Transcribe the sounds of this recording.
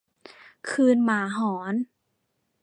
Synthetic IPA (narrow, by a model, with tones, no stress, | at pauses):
kʰɯː˧nmaː˩˦ɦɔː˩˦n